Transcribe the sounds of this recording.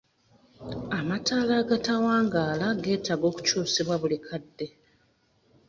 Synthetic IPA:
amataːlaːɡatawaːŋɡaːlaɡe̞ːtaɡo̞ːku̥cuːsiβwaβulikʰadːe̞

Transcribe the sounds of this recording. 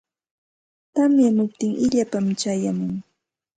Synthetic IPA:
t̪amjamʊp̚t̪ɪŋʔɪʎapamt͡ʃajamʊŋ

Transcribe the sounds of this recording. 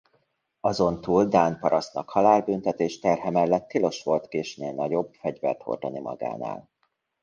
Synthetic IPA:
ɒzo̞nt̪uːld̪aːnpɒɾɒst̪nɒkhɒlaːlbynt̪ɛt̪eːʃt̪ɛrɦɛmɛlːɛt̪ːilo̞ʃʋo̞lt̪keːʃneːlnɒɟo̞bfɛɟvɛ̰lt̪ho̰rd̪onimɒ̰ɡa̰ːna̰ːl

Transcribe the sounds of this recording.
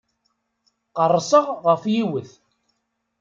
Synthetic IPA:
qərˤːsˤəʁʁəfjiwəθ

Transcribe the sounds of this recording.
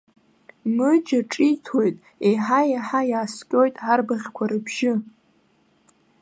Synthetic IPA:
mɨd͡ʒaʈ͡ʂʼitʰojtʼ | ejħajaħajaːskʲʼo̞jtʼʕarbaʁʲkʷʰaɾɨbʰʒɪ

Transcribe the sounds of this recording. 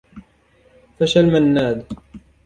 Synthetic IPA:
faʃalmanːaːd̪

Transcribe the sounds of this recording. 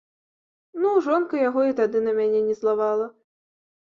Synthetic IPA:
nuʐɔnkɐjaɣɔit̪ad̪ɨnɐmʲanʲɛnʲɛzlˠavalˠɐ

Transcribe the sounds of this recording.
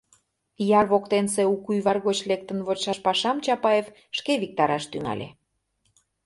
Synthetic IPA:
jɑrβokt̪enseukujβɑrɣot͡ɕlek̚t̪ənβot͡ɕʃɑʃpɑʃɑmt͡ɕɑpɑef | ʃkeβik̚t̪ɑɾɑʃt̪yŋɑ̰lʲḛ

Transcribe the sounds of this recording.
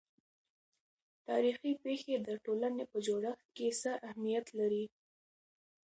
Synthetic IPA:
t̪ɑɾixipexed̪əʈolanepəd͡ʒoɽəxt̪̚kesəʔahmijat̪laɾi

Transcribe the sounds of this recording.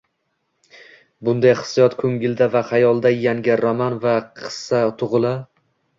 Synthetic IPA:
bʊnd̪ajχɨ̥sijɒt̪kʰɵŋɡʲɪld̪avaχajɒlˠd̪ajaŋɡʲɪɾɒmanvaqʰɨ̥sːat̪ʰʊʁɨlˠa

